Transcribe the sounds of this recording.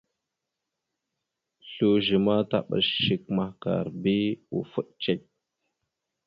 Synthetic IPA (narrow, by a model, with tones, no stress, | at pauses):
ɬu˦ʒi˨ma˦ta˦˨ɓa̰˨sːi˨kma˨hka̰˨ɾbi˦u˨fu˦ɗt͡ʃe˦˨k̚